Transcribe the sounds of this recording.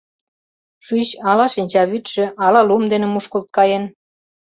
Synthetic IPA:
ʃyɕɑlɑʃinʲt͡ɕɑβyt̪ʃĕʔɑlɑlumd̪enĕmuʃkolt̪̚kɑjen

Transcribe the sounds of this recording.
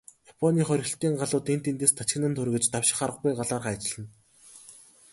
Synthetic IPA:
japʰɔniːχœɾ̆ʲɬt̪iːŋɢaɮʊːt̪ent̪ent̪eːst̪ʰat͡ɕxʲɪ̆nə̆nt̪ʰɵɾ̆ɣɘ̆t͡ɕt̪awʃɪ̥̆χaɾə̆qɡujɢaɮaːrχæːt͡ɕ̆ɮə̆n

